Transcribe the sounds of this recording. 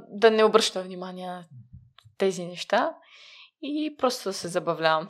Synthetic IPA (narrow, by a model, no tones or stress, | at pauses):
d̪ɐnɛʊbɾɤʃt̪əvnimaniɛnɐt̪ɛzinɛʃt̪a | ipɾɔst̪ʊd̪ɐsɛzɐbɐvlʲavɐm